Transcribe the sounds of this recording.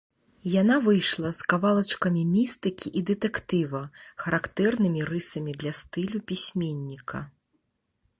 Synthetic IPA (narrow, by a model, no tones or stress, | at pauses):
janavɨjʂlˠɐskavalˠɐt͡ʂkɐmʲimʲist̪ɨkʲiʔid̪ɨt̪ɛkt̪ɨvɐxɐɾakt̪ɛrnɨmʲiɾɨsɐmʲid̪lʲɐst̪ɨlʲupʲisʲmʲenʲːikʰɐ̰